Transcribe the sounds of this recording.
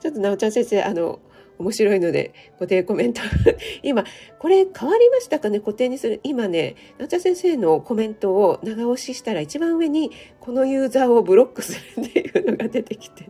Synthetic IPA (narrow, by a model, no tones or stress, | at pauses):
t͡ɕo̞t̪ːo̞naot͡ɕãsẽ̞ɰse̞ːʔano̞̰ | omo̞ɕiɾo̞ino̞d̪e̞̰ko̞t̪e̞ːko̞mẽ̞nt̪oɡimako̞ɾe̞kʰaβaɾʲimaɕi̥t̪akane̞ko̞t̪e̞ːɲ̟isɨɾɯ̟ʔimane̞naot͡ɕãsẽɰ̃se̞ːno̞ko̞mẽ̞nt̪o̞ːnaɡao̞ɕiɕi̥t̪aɾait͡ɕibãɰ̃ɯ̟e̞ɲ̟iko̞no̞jɯ̟ːzaːo̞bɯ̟ɾo̞kːɯ̟̥sɨɾɯ̟t̪jɯ̟ːno̞ɡad̪e̞t̪e̞kʲi̥t̪e